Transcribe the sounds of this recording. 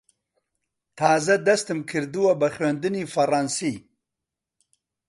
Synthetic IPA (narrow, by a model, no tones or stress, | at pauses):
t̪ʰaːzad̪ast̪ɨmkʰɪɾd̪uwabaxwand̪ɨnifaɾaːnsi